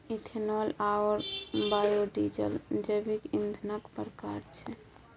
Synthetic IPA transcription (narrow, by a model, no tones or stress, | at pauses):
itʰenɔlaɔɾbajoɖid͡ʒə̰ld͡ʒəbikind̪ʱnəkpəɾkaɾt͡ʃʰɛ